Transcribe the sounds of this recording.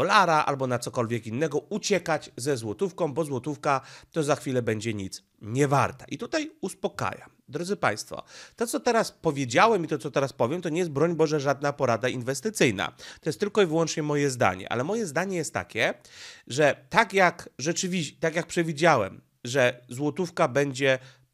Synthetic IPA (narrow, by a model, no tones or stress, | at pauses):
d̥̪ɔlaɾaʔa̰lbɔnat̪sɔkɔlvʲjɛkinːɛɡɔut͡ɕɛkad͡ʑzɛzwɔt̪ufkɔ̃w̃bɔzwɔt̪ufkat̪ɔzaxfʲilɛbɛɲd͡ʑɛɲit̪s | ɲɛva̰ɾt̪aʔit̪ut̪ajuspɔka̰ja̰md̪ɾɔd̪zɘpa̰j̃st̪fɔ̰t̪ɔt̪sɔt̪ɛɾaspɔvʲjed͡ʑawɛmit̪ɔt̪sɔt̪ɛɾaspɔvjɛmt̪ɔɲɛjɛst̪bɾɔɲbɔʐɛʐad̪napɔɾad̪ainvɛst̪ɘt̪sɘjna̰t̪ɔjɛst̪ːɘlkɔivɘwɔnt͡ʂɲɛmɔjɛzd̪a̰ɲɛ̰ʔa̰lɛmɔjɛzd̪aɲɛjɛst̪ːa̰kʲɛʐɛt̪akjakʐɛt͡ʂɘvʲiɕt̪akjak̚pʂɛvʲid͡ʑawɛ̰m | ʐɛzwɔt̪ufkabɛɲd͡ʑɛ